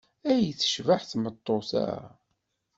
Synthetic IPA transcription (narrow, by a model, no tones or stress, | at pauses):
æjθə̥ʃvaħθmət̪ˤːoθæ̰